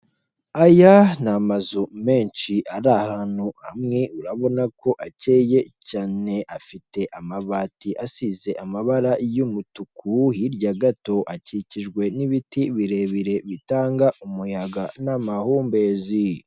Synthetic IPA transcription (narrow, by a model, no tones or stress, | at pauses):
ajanamazume̞ːnʃiʔaɾahaːn̥uha̰mŋe̞uɾaβo̞nakʰo̞ʔace̞ːje̞caːne̞ʔafite̞ʔamaβaːtiʔasize̞ʔamaβaɾajumutukʰuhiɾɟaɡato̞ʔaciciʒɡwe̞niβitiβiɾe̞βiɾe̞βitaːŋɡaʔumujaɡanamahuːmbe̞ːzi